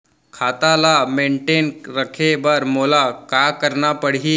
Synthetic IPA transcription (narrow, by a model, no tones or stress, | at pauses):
kʰat̪alameɳʈenɾəkʰebəɾmolakakəɾɳapəɽɦiː